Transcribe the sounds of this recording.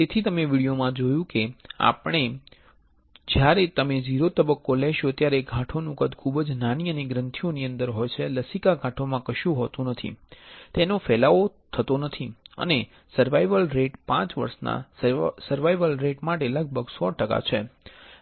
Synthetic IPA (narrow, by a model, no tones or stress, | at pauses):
t̪et̪ʰit̪əmeʋiɽijomãd͡ʒojũkea̰pɽ̃e | d͡ʒjaɾet̪əmed͡ʒiɾot̪əbəkːolɛʃot̪jaɾeɡʱãʈʰonũkəd̪kʰubd͡ʒnaniəneɡɾənt̪ʰijoniə̃nd̪əɾɦojt͡ʃʰeləsikaɡʱãʈʰomãkəʃjũɦɔt̪ũnət̪ʰḭt̪enofɛlaʋot̪ʰət̪onət̪ʰiə̰ne | səɾʋaiʋəlɾeʈpãt͡ʃʋə̰ɾsna̰ssəɾʋaiʋəlɾeʈmaʈeləɡ̚bʱəɡsɔʈəka̰t͡ʃʰe